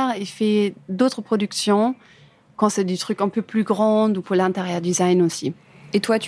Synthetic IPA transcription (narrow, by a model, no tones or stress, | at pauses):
ʁefɛd̪ot̪χəpχɔd̪yksjɔ̃ | kɑ̃sɛd̪yt̪χykɛ̃pøplyɡʁɑ̃d̪upuʁlɛ̃t̪ɛʁjœʁd̪izajnosi | et̪wat̪